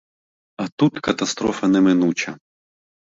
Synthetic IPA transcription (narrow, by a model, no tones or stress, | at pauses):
ɐt̪ut̪kɐt̪ɐst̪ɾɔfɐnɛmɪnut͡ʃɐ